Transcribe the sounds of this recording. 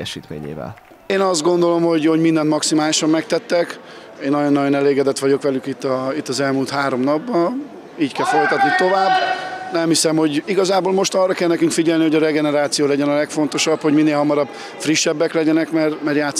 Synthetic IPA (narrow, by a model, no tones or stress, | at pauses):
ɛʃiːt̪mḛːɲḛːvɛ̰l | eːnɒzd̪̚ɡo̞nd̪o̞lo̞mho̞ɟho̞ɟmind̪ɛnt̪mɒksimaːliʃɒmːɛk̚t̪ɛt̪ːɛk | eːnːɒjonːɒjo̞nɛleːɡɛd̪ɛt̪ʋɒɟo̞kʋɛlykit̪ːɒit̪ːɒzɛlmuːlt̪haːɾo̞mnɒbːɒ | iːckɛlfo̞lt̪ɒt̪nit̪o̞vaːbːnɛmhisɛmho̞ɟiɡɒzaːbolmo̞ʃt̪ɒrːɒkɛlnɛkyŋkfiɟɛlniɦoɟɒɾɛɡɛnɛɾaːt̪sijoːlɛɟɛnɒlɛkfo̞n̪t̪oʃɒbho̞ɟminːeːlɦɒmɒɾɒb | friʃːɛbːɛklɛɟɛnɛkmɛrmɛrjaːt̪s